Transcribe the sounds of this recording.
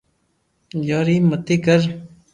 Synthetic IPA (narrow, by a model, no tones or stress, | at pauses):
joɾimət̪ikəɾ